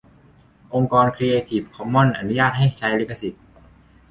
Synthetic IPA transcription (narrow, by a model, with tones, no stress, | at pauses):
ʔo˧ŋkɔː˧nkʰɾi˧ʔeː˧t̪ʰiː˨˩p̚kʰɔ˧˥mːɔ˥˩nʔa˧˩nu˦˥jaː˥˩t̪̚ha˥˩jt͡ɕʰa˧˥jli˦˥˩kʰːa˧si˨˩t̪̚